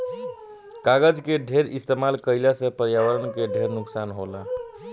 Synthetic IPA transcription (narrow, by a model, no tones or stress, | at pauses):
kaɡəd͡ʒkeɖʱeɾist̪emalkəɪlasə̃pəɾjawəɾənkeɖʱeɾnuksanɦola